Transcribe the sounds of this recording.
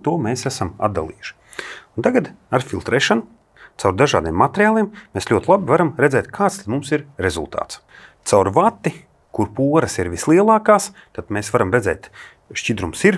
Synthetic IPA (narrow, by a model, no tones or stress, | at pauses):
t̪uɔmeːsæsama̰d̪ːa̰lˠḭːjuʃi̥ | unt̪aɡad̪aɾfʲilˠt̪ɾeːʃanu | t̪sawɾd̪aʒa̰ːd̪iɛmːat̪ʲeɾʲjaːlˠiːmmeːslʲuɔt̪ʲlˠabivaɾamɾezɛːt̪kʰaːt̪st̪ad̪mumsiɾɾezṵlˠt̪a̰ːt̪s | t̪sawɾvat̪ːi | kuɾpuɔɾɐsiɾvislˠiɛlˠaːkaːs | t̪ad̪meːsvaɾamɾezɛ̰ːt̪ | ʃcid̪ɾumsiɾ